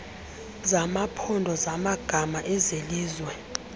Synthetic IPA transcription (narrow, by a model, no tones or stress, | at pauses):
zamapʰɔndʱɔzamaɡ̥ʱamaʔɛzeliːzwɛ